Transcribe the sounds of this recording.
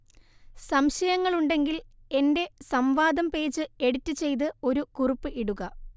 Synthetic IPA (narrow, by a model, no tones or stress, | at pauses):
sɐmɕɐjɐŋːɐɭuɳɖe̞ŋɡile̞nde̞sɐmʋaːd̪ɐmpe̞ːd͡ʑɨe̞ɽutːɨt͡ɕːe̞jt̪̬ɨo̞ɾukurupːɨʔiɽuɣɐ